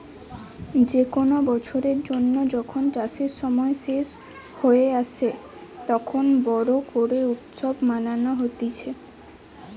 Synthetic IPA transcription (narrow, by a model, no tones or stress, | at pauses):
d͡ʑekonobɔt͡ɕʰoɾeɾd͡ʑonːod͡ʑɔkʰonʈaʃeɾʃɔmɔeʃeʃ | hoeaʃʰe | t̪ɔkʰonbɔɾokoɾeut̪ʃobmananoɦot̪it͡ɕʰe